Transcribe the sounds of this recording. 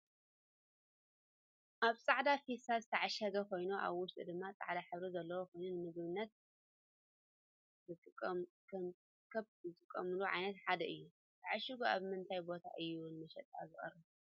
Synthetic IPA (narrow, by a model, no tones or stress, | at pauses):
ʔaβt͡sʼaʕd̪afisazɨt̪ʰɐʕaʃɐɡɐkʰo̞jnuʔa̰βwʊʃt̪ʼid̪ɨmːat͡sʼa̰ʕd̪aħɨβɾizɐlːɐwokʰo̞jnunɨmɨɡβɨnːɐt̪̚ | zɨt̪ʼɨkʼː | kʰɐ | kʰɐβzɨt̪ʼɨkʼːɐmɨluʕa̰jnɐt̪ħad̪ɐʔɨjːu | t̪ʰaʕaʃiɡuaβmɨnt̪ʰajbo̞t̪ʰa̰ʔɨjːunɨmɐʃɛt̪ʼa̰zɨχʼɐ̰rɐ